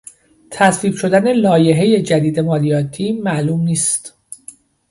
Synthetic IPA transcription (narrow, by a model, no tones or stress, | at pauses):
t̪ʰæsviːbʃo̞d̪æne̞lɒːje̞ɦe̞je̞d͡ʒæd̪iːd̪e̞mɒːlijɒːt̪ʰiːmæʔluːmniːst̪